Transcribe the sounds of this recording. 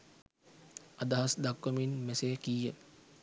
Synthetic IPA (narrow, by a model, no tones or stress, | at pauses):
ad̪ɐɦasd̪akːəminmesejkijə